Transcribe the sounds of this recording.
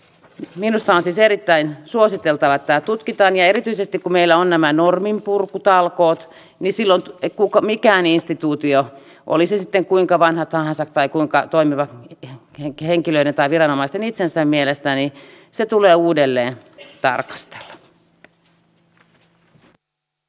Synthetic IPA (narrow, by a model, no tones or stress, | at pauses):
minust̪ɑonsiːseɾit̪ːæinsuosit̪elt̪ɑʋɑt̪æːt̪ut̪kit̪ɑːnjɑeɾit̪yisest̪ikkumeilːæonnæmænormimpurkːut̪ɑlkoːt̪ | nisilːont̪kukɑmikæːninst̪it̪uːt̪io | ʔo̰lisesit̪ːeŋkuiŋkɑʋɑnhɑt̪hɑhɑnsɑkt̪ɑikuiŋkɑt̪oimiʋɑ | heŋkiløident̪ɑiʋirɑnomɑist̪enit̪sensæmmielest̪æni | set̪uleːuːdelːeːnt̪ɑ̰rkɑ̥st̪e̥lːɑ̥